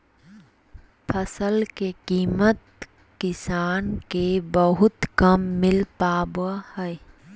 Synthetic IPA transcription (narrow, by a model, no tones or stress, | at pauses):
pʰəsəlkekiːmət̪ | kɪsaːnkebəɦʊt̪kəmːɪlpaːbəhɛː